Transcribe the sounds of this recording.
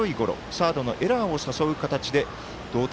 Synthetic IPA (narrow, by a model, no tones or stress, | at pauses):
oiɡo̞ɾo̞̰saːd̪o̞no̞̰ʔe̞ɾao̞saso̞ɯ̟kat̪at͡ɕid̪e̞ | d̪̥o̞ːt̪